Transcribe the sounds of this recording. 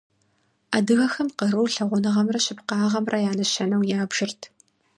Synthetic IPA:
aːdɨɣɐxɐmqərɨwɬɐʁʷʊnɨʁɐmrɐɕɪpqɑːʁɐmrɐjaːnɐɕɐnɐwjaːbʒ̥ɪrtʰ

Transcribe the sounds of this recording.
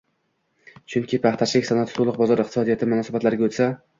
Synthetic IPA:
t͡ʃʰʊŋkʲʰɪpʰaχt̪ʰaʃɪkʲsanat̪ʰt̪ʰolˠʊq̚bɒzɒɾɪq̚t̪ɪ̥sɒd̪ijat̪ʰɪmʊnɒsabat̪laɾɪɡʲaot̪sa

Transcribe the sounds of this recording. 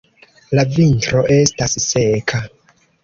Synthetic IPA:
lavintɾo̞ʔe̞stassekʰa

